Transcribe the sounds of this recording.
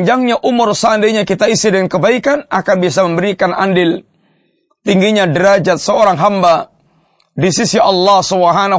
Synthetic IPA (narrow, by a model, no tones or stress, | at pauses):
ɲd͡ʒaŋɲaʔumʊrsəandajɲakit̪aisidəŋankəbaikanʔakanbis̬aməmbəɾikanʔa̰ndɪl | t̪iŋɡiɲadəɾad͡ʒat̪̚səoɾaŋɦamba | disisiʔɑlːɑhsəwaɦana